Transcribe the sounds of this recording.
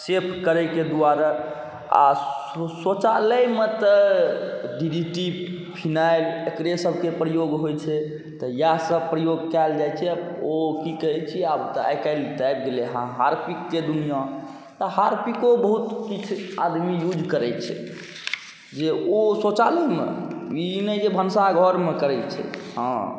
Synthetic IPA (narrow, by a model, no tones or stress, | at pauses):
sepʰkəɾɛked̪uaɾa | a̰ | sot͡ʃaləjmet̪ə | ɖiɖiʈi | pʰinajlekɾesəbʱkepɾəjoɡɦojt͡ʃʰɛ | t̪ɔjasəpɾəjoɡkɛld͡ʒajt͡ʃʰɛokikəɦɛt͡ʃʰiabt̪a̰jkaɪlt̪ajb̚ɡeleɦãɦaɾpikːed̪unijã | t̪ɔhaɾpikobəɦut̪kit͡ʃʰa̰d̪mijud͡ʒkəɾɛt͡ʃʰɛ̰ | d͡ʒeosot͡ʃaləmḛinəd͡ʒebʱənsaɡʱɔɾmekəɾɛt͡ʃʰɛ̰hã̰